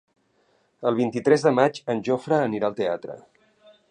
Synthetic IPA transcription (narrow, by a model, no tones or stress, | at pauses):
əlˠβint̪it̪ɾɛzðəmad͡ʒənʲʒofɾəːniɾaəlˠt̪eat̪ɾə̰